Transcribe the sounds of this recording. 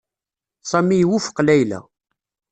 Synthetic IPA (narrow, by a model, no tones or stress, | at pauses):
sˤæmijwufə̥qlæjlæ̰